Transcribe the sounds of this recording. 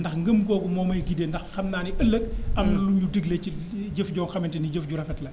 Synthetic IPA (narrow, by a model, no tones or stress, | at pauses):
ndɐxŋɡəmɡɔːɡumɔːmɐjɡideːndɐxxɐmnaːniʔɐlːək̚ɐmluɲudiɡleciɟəfɟɔːnxɐmintiniɟəfɟuɾɐfɛtlɐ